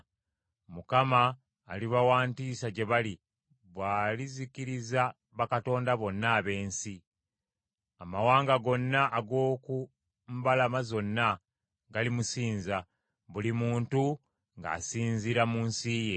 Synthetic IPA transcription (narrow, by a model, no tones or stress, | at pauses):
mukamaː | liβawaːntiːsaɟe̞βali | βwaːliziciɾiza | βakato̞ːndaβo̞nːaːβe̞ːnsi | amawaːŋɡaɡo̞nːaʔːɡo̞ːku | mbalamazo̞nːa | ɡalimusiːnza | βulimuːntu | ŋɡa̰ːsiːnziɾamunsiːje